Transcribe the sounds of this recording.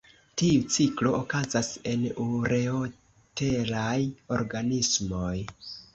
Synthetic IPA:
tiut͡siklo̞ʔokazase̞nuɾe̞o | te̞lajo̞ɾɡanismo̞j

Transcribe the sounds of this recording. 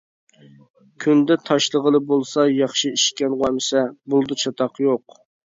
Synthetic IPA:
kʲʰynd̪ɛt̪ʰɑʃlˠəʁəlˠɨbolˠsɑjɑχʃiiʃkʲɛnwɑmɪsɛbulˠd̪ɨt͡ʃʰɑt̪ʰɑqjoq

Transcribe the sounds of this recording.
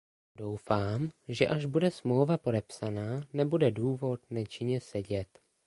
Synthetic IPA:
do̞wfaːmʒɛʔaʒbudɛsmlowvapo̞dɛpsanaːnɛbudɛduːvo̞t̪nɛt͡ʃɪɲɛsɛɟɛt̪

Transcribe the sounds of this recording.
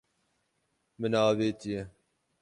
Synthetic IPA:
mɨnɑːveːt̪ijɛ

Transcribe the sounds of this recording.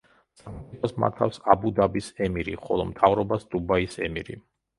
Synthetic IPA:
saχibʰasma̰ɾt̪ʰa̰fsabud̪abisɛmiɾiχɔ̰lˠɔmt̪ʰavɾɔbasd̪̥ubaisɛmiɾḭ

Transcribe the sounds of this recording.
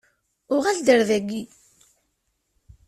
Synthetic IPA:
ʊʁæld̪əɾðæɡːi

